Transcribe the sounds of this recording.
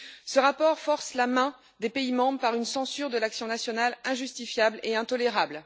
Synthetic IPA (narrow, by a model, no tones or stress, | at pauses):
səʁapɔʁfɔʁslamɛ̃ | d̪epeimɑ̃bʁəpaʁynsɑ̃syʁd̪əlaksjɔ̃nasjɔnalɛ̃ʒyst̪ifjableɛ̃t̪ɔleʁabl